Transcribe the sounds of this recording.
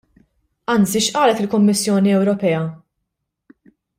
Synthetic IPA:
ɐnt͡siʃʔɐːlɛt̪ɪlkʊmːɪsːjɔːniɛwɾɔpɛjɐ

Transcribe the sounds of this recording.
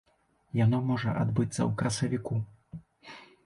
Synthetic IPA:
janɔmɔʐɐ̰ʔad̪bɨt̪sːɐ̰wkɾɐsɐvʲiku

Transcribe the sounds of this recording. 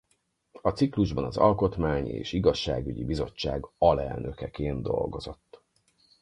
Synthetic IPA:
ɒt̪sikluʒbɒnɒzɒlko̞t̪maːɲḛːʃiɡɒʃːa̰ːɡyɟibizo̞t͡ʃːaːɡɒlɛlnʔøkɛkeːnd̪o̞lɡo̞zo̞t̪ː

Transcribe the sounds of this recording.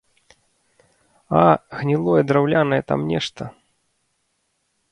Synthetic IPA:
aɣnʲilˠɔjɛd̪ɾawlʲanɐjɛt̪a̰mnʲɛʂt̪ɐ

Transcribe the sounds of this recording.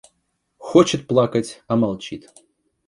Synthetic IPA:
xɔt͡ʃɨt̪̚plˠakɐt͡sʲɐmalˠt͡ʃit̪

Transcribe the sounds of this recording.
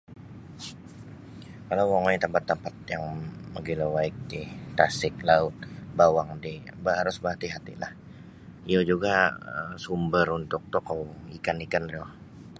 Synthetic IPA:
kalawwaŋɔit̪əmpat̪ːəmpat̪̚jaŋməɡilowaɪk̚dit̪asɪk̚laʊt̪̚bawaŋdibaɦaɾʊsbaɦat̪iɦat̪ḭlah | iod͡ʒuɡaə̰sumbəɾunt̪ʊk̚t̪okawikanikanro

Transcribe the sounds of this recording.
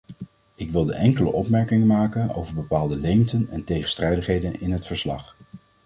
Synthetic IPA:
ɪkʋɪlˠdəʔɛŋkələ̰ʔɔpmɛɹkɪŋəmaːkəno̰wvəɹbəpaːlˠdəlejntənɛntejχənstrɛjdəχɦejdənɪnɦətfəɹslɑ̰χ

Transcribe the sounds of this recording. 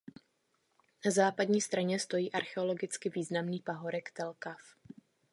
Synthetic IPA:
nazaːpadɲiːst̪ɾaɲɛst̪o̞jiːʔaɾxɛo̞lo̞ɡɪt͡skɪviːznamniːpaɦo̞ɾɛkt̪ɛlkaf

